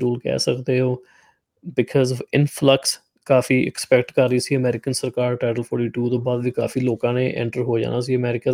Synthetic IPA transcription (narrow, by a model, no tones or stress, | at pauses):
uːlkɛ̰ːsəkd̪eːɦoː | bɪkʰɔːzɔʋɪnpʰləks | kaːfʰiːʔɪ̰kspɛkʈkəɾːəiːsiːəmɛːɾɪkənsəɾkaːɾʈaːʈəlpʰɔːɾʈiːʈuːt̪õːbaːd̪ʋiːka̰ːfʰiːloːkãːneːʔɛ̰̃ːɳʈəɾɦoːd͡ʒã̰ːnaːs̬iːəmɛːɾɪka